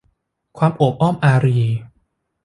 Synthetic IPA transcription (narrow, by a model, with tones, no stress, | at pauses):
kʰwaː˧mʔoː˨˩p̚ʔɔː˥˩mʔaː˧ɾiː˧˩